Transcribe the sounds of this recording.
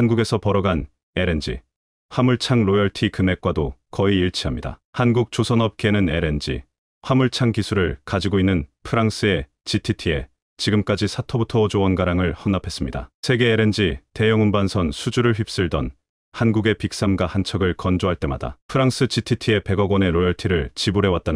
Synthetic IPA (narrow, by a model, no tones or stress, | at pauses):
hanɡuɡe̞sʰʌpʌɾʌɡan | e̞ɾe̞nd͡ʑḭ | ɸwamuɭt͡ɕʰaŋɾojʌɭtʰikɯme̞k͈̚wadokʌiːɭt͡ɕʰiɦamɲida̰hanɡuk̚t͡ɕ͈osʰʌnʌp̚k͈enɯne̞ɾe̞nd͡ʑḭ | ɸwamuɭt͡ɕʰaŋkisʰuɾɯɭkad͡ʑiɡoinːɯnpʰɯɾaŋs͈ʰɯe̞ | t͡ɕitʰitʰie̞̰ | t͡ɕiɡɯmk͈ad͡ʑisʰatʰʌbutʰʌd͡ʑowʌnɡaɾaŋɯɭhʌnːapʰe̞s͈ɯmɲida̰sʰe̞ɡe̞ːɾe̞nd͡ʑite̞jʌŋunbansʰʌnsʰud͡ʑuɾɯɭɸɥip̚s͈ɯɭdʌn | hanɡuɡe̞pik̚s͈amɡwahant͡ɕʰʌɡɯɭkʌnd͡ʑoɦaɭt͈e̞ma̰da̰pʰɯɾaŋs͈ʰɯt͡ɕitʰitʰie̞pe̞ɡʌɡwʌne̞ɾojʌɭtʰiɾɯɭt͡ɕibuɾe̞wat͈̚an